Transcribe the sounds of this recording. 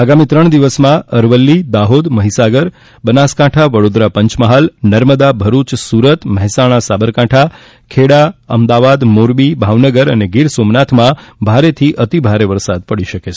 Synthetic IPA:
aɡamit̪ɾəɳ̃d̪iʋəsmãəɾʋəlːid̪aɦod̪məɦisaɡəɾ | bənaskãʈʰaʋəɽod̪ɾapəɲt͡ʃməɦalnəɾməd̪abʱəɾut͡ʃsuɾət̪məɦɛsaɽ̃asabəɾkãʈʰa | kʰeɽaə̰md̪aʋad̪moɾbibʱaʋnəɡəɾəneɡiɾsomnat̪ʰmãbʱaɾet̪ʰiʔət̪ibʱaɾeʋəɾsad̪̚pəɽiʃəket͡ʃʰ

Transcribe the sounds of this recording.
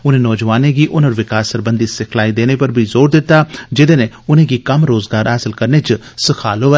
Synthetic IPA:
ʊnẽːnɔːd͡ʒʋaːnẽɡiːʔʊnəɾʋɪkaːsəɾbə̃nd̪isɪkʰlaːid̪eːnepɐɾbʱizoːɾd̪ɪt̪ːaːd͡ʒɪd̪eːne | ʊnẽːɡikɐmɾoːzɡaːɾɦaːsɪlkəɾneːt͡ʃsɪkʰaːloːʋɛ

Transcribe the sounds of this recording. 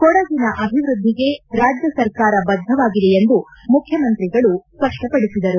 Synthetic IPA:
kɔɽɐd̪inɐʔɐbʱiʋɾud̪ʱːiɡe̞ɾaːd͡ʒjɐsɐɾkaːɾɐbɐd̪ʱːɐʋaːɡid̪eend̪umukʰːjɐmɐnt̪ɾiɡɐɭuspɐʂʈɐpɐɽisid̪ɐɾu

